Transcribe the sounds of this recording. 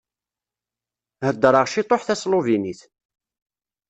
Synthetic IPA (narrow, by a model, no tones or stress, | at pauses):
həd̪ːɾˤəʁʃit̪ˤoħθæsloviniθ